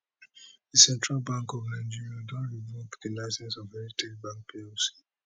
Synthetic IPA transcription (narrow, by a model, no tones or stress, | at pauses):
ðisɛ̃ntɹalbãŋkɔvnãɪ̃nd͡ʒiɹiãdɔ̃nɹivopðilaɪsɛ̃nsɔvmɛɾitʰelbãŋk̚pʰesi̥